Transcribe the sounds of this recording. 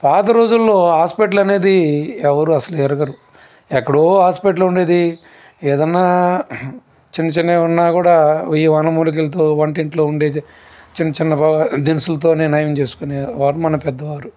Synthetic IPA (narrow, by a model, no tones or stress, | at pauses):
paːt̪̬ɐɾo̞ːd͡ʒulːo̞ːɦaːspeʈ̬ɐlɐne̞ːd̪iɛʋɐɾuɐsɐluɛɾɐɡɐɾu | ɛkːɐɽoːɦaːspeːʈ̬luɳɖe̞ːd̪i | eːd̪ɐnːaː | t͡ʃinːɐt͡ʃinːeːunːaːkuːɽaːiːʋɐnːɐmuluk̬ilɐt̪̬oːʋɐɳʈiɳʈlo̞ːuɳɖe̞ː | t͡ʃinːɐt͡ʃinːɐpd̪inɐsulɐt̪̬oːneːnaːjɐmt͡ʃe̞ːsu̥kuneːʋaːɾumɐnɐpɛd̪ːɐʋaːɾu